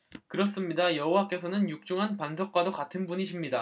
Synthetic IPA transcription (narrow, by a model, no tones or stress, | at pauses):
kɯɾʌs͈ɯmɲidajʌɦowak͈e̞sʰʌnɯnjuk̚t͡ɕ͈uŋɦanpansʰʌk̚k͈wadokatʰɯnbuɲiɕʰimɲida